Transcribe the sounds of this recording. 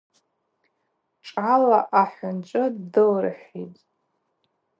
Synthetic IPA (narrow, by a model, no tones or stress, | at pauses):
ʈ͡ʂʼala̰ʔaħʊnt͡ʃʷʼɨddɨlrɨ̰ħitʼ